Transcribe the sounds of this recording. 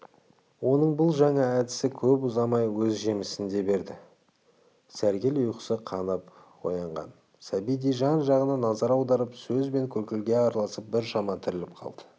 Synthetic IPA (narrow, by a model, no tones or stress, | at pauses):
wo̞nəɴbʊlˠʒɑɴɑæd̪ɪsɪkʲʰɵpʊzɑmɑjwɵzʒe̞mɪsɪnd̪e̞be̞ɾd̪ɪ | sæɾɡʲelʊjqə̥səqʰɑnəp | wo̞̰jɑɴʁɑ̰n | sæbijd̪ijʒɑnʒɑʁənɑnɑzɑɾɑwd̪ɑɾəpsɵzbe̞ŋkʲʰɵɾkʲɪlɡʲe̞ɑɾɑlˠɑsəp̚bɪɾʃɑmɑt̪ʰɪɾɪlɪp̚qʰɑ̰lˠd̪̥ə̥